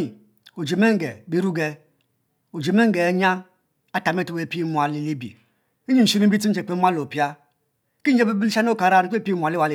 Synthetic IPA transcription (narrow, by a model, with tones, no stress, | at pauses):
i˨ | o˨d͡ʒe˨me˦ŋ̩˦ɡe˨bi˦ɾu˦ɡe˨ | o˨d͡ʒe˨me˦ŋ̩˦ɡe˨˦ɲa˦ | a˦ta˨me˦tu˨we˦˨pi˦mu˨a˨li˨li˦bḭ˨˦ | ɲi˦˨si˦ɾi˦bi˦ti˦e˨k͡pe˦m˦a˦lo˨pi˦a˦ | ki˦n̩˦d͡ʒe˦bi˦bi˦la˦no˦ka˨ɾa˦˨n˦e˦pm˨a˨li˦wa˨l